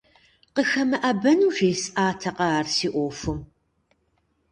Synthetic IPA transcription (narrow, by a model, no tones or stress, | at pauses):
qəxɐmɐʔɐbɐnuʒeːsʔaːtʰɐqɐaːrsiːʔʷoːfɨm